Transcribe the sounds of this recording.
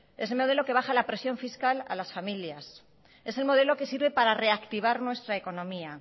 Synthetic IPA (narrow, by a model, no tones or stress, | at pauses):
e̞se̞lmo̞ð̞e̞lo̞ke̞βaxalapɾe̞sjo̞ɱfiskala̰lasfamiljas | e̞se̞lmo̞ð̞e̞lo̞ke̞siɾβe̞paɾare̞akt̪iβ̞aɾnwe̞st̪ɾaeko̞nõ̞mia